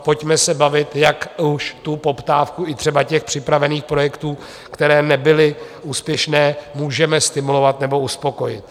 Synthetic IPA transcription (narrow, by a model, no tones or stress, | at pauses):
po̞cmɛsɛbavɪt̪jakuʃt̪upo̞pt̪aːfkuɪt̪r̝̥ɛbacɛxpr̥ɪpɾavɛniːxpɾo̞jɛkt̪uː | kt̪ɛɾɛːnɛbɪlɪuːspjɛʃnɛːmuːʒɛmɛst̪ɪmulo̞vat̪nɛbo̞uspo̞ko̞jɪt̪